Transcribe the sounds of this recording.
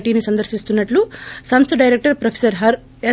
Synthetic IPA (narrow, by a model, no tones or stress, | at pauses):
ʈiːnisɐnd̪ɐɾʃist̪unːɐʈlusɐnsɖɐjɾek̚ʈɐɾpɾɐpʰe̥sɐɾɦɐɾ | eː